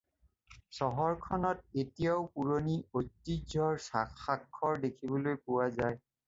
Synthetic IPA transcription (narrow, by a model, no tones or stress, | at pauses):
sɔɦɔɹkʰɔnɔt̚etijaʊpuɹoniojtːid͡ʒɔɹsakːakʰːɔɹdekʰibɔlojpʊwazaj